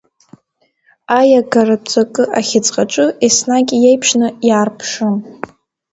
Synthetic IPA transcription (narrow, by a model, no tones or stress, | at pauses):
ajaɡarapt͡sʷʼakʼɨʔaχʲɪt͡sʼqʼaʈ͡ʂʷʼɨisnakʲʼjejpʰʂnɨjaːrpʰʂɨn